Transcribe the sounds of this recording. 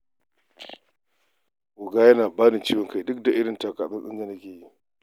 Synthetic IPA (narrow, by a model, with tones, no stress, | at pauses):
wʊ˨ɡaː˦jɐ˦naː˨baː˦nɪ˨t͡ʃiː˦wɔ˨ŋka˨jdʊ˦k̚da˨ʔɪ˦ɽɪ˨nta˨kaː˨ɓɪ˦sɪ˦zɐ˨nɐ˦kʲeː˨ji˦